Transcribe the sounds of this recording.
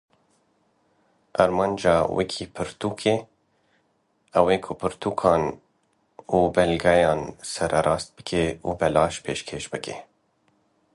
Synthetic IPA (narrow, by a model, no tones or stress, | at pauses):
aɾmɑːnd͡ʒɑːwʔɛ̰kʰiːpʰɨɾt̪uːkʰe | ɛweːkʰʊpʰɨɾt̪ʰuːkʰɑːn | uːbɛlɡɛjɑːnsɛɾʔɛɾɑːst̪̚bɨ̥kʰeubɛlɑːʃpʰeːʃkʰeːʃbɨkʰḛ